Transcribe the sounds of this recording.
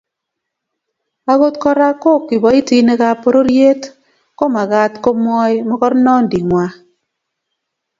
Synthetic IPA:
a˦ɣo˦tkɔ˦ɾa˦ko˦˨kːi˨bɔ˨˦i˦ti˦ne˦ka˦po˦ɾo˦ɾje˦t | ko˦ma˨ɣa˦tko˦m˦ɔ˦jmɔ˦kɔ˦ɾnɔ˦n˨di˨ŋwa˨

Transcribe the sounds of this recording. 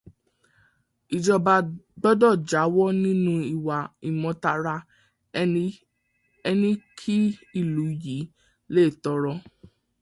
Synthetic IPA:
i˨d͡ʒɔ˧ba˧ɡ͡bɔ˦dɔ˦˨d͡ʒa˨˦wɔ˦nĩ˦nũ˦i˨wa˨i˨mɔ̃˨˧ta˧ɾa˧ | ɛ˧nĩ˦kʰi˦i˦˨lu˨˦ji˨˦ | le˦˨tɔ˧ɾɔ˧

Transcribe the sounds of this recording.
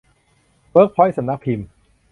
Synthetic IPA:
pɤː˦˥k̚pʰɔ˦˥jsa˨˦mna˦˥k̚pʰi˧m

